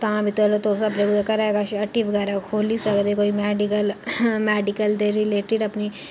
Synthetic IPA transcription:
t̪ãːbʱiːt̪ɛːlot̪oːsəbɾeːɡud̪akəɾaːeːɡaʃəʈːibəɡɛːɾaːkʰoːliːsəkd̪eːkoːiːmɛːɖɪkəlmɛːɖɪkəld̪eːɾɪleːʈɪɖəpniː

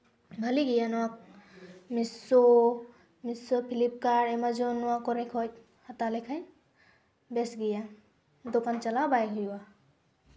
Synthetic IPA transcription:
bʱəliɡijanɔk̚miso | misopʰilip̚kaɾemad͡ʒonuakɔɾekʰot | hət̪alekʰaj | besɡija | d̪okant͡ʃalabajɡɦujwa

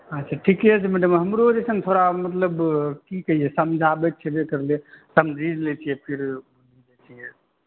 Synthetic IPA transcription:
ɦat͡ʃʰaʈʰikɦɛt͡ʃʰɛmɛɖəmɦəmɾod͡ʒesə̃ŋɡt̪ʰoɾamət̪ləbkikəɦijɛsəmd͡ʒʱabɛtt͡ʃʰɛbekəɾlesəmd͡ʒʱid͡ʒlet͡ʃʰijɛpʰiɾ | nid͡ʒat͡ʃʰijɛ

